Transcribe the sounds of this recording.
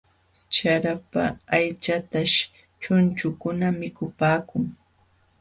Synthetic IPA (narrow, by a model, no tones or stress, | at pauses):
t͡ʃaɾapa̰ːjt͡ʃat̪aʃ | t͡ʃʊnt͡ʃʊkʊnamɪkʊpaːkʊŋ